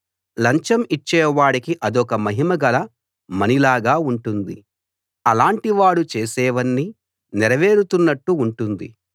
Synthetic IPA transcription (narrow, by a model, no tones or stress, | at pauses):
lɐɲt͡ʃɐmit͡ʃːɛːʋaːɽikiʔɐd̪ɔkɐmɐɦimɐɡɐlɐ | mɐnilaːɡaːuɳʈund̪ḭ | ɐlaːɳʈiʋaːɽut͡ʃeːsɛːʋɐnːi | nɛɾɐʋe̞ːɾut̪unːɐʈːuːɳʈund̪ḭ